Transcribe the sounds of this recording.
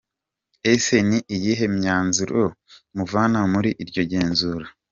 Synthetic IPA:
ese̞niʔijiɦe̞mɲaːnzuɾomuvaːnamuɾiʔiɾɟo̞ɟe̞ːnzuɾa

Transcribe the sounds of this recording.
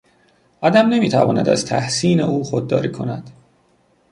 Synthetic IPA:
ʔɒːd̪æmne̞miːt̪ʰæ̰vɒ̰ːnæ̰d̪æ̰z̥t̪ʰæhsiːneuːxod̪̚ːɒ̰ːɾiːkʰo̞næd̪̥

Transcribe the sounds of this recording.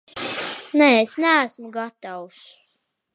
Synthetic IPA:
nɛesnææsmuɡat̪aws

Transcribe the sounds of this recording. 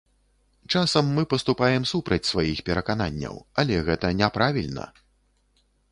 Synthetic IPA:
t͡ʂasɐmːɨpɐst̪upajɛmsupɾɐt͡sʲsvajixpʲɛɾɐkananʲːɐ̰wɐlʲɛɣɛt̪ɐnʲɛpɾavʲilʲnɐ̰

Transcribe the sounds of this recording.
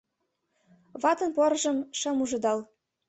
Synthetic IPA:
βɑt̪ɤ̆npoɾʒɤ̆mʃɤ̆muʒɤ̆d̪ɑl

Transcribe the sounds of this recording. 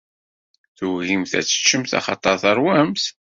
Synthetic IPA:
θuɣimθæ̰t͡sːə̥t͡ʃːəmθɑ̰χɑt̪ˤɑɾθɑɾˤwæmθ

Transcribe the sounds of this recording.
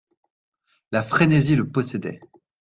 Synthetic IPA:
lafχeneziləpɔsɛd̪ɛ̰

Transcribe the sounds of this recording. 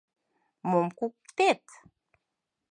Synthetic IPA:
momkukt̪et̪

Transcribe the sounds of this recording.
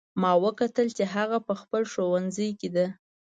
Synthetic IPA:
mɑwəkat̪əlt͡ʃeɦaɣapəxpəlʃowanzəjked̪a

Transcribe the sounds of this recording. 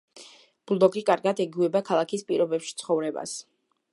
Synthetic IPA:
b̥lˠd̪ɔɡikʼaɾɡad̪ɛɡuɛbakʰalˠakʰispʼiɾɔbɛpʃi̥t̪sʰχɔvɾɛba̰s

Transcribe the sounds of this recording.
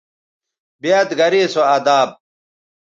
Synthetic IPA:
biat̪ɡɐɾesoɐd̪aːb̚

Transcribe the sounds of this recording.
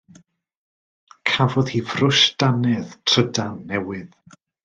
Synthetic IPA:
kʰavɔðhiːvrʊʃdanɛðtʰr̥ədanːɛwɪð

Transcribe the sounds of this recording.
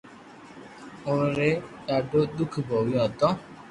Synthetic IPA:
oɾɾeɖaɖod̪ukʰbɔwiɔ̃t̪ɔ

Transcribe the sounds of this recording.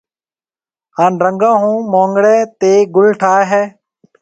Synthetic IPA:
haːnɾəŋɡãːɦũːmõːŋɡɽɛːt̪eːɡʊlʈʰaːeɦɛː

